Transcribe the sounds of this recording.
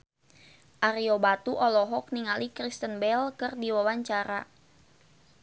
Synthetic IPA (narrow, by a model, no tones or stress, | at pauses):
ʔaɾiobat̪uʔɔlɔɦɔk̚niŋalikɾist̪ənbɛlkərdiwawaɲt͡ʃaɾa